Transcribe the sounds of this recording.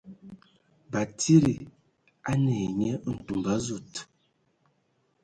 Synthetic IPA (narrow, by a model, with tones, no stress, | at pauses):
ba˨tʰi˦ɾi˨ | a˦ne˨ɲɛ˦n̩˨tu˨mba˦zu˦˨t